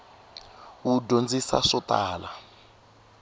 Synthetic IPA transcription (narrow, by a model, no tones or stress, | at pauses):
wudʱond͡zisa̰ʂɔtaːla